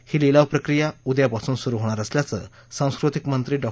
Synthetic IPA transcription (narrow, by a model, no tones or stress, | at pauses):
hililawpɾəkɾijaud̪japasuːnsuɾuɦoɽ̃aɾəsljat͡sə̰ːsãw̃skɾut̪ikmənt̪ɾiːɖɔ